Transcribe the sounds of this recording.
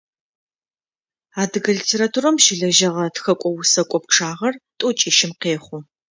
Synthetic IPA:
aːdɨɣɐɮitʰeːɾatʰuɾɐmʃɪɮɐʒɐʁɐtxɐkʷʼɔwʊsɐkʷʼɔpʈ͡ʂʰaːʁɐrtʼʊt͡ʃʼiːʃɪmqeːχʷʊ

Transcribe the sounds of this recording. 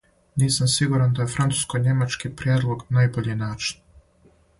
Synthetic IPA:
niːsamsiɡuɾand̪ajefɾant̪u̥skojɲe̞mat͡ʃkipɾjed̪lˠo̞ɡnaːjboʎenaːt͡ʃi̥n

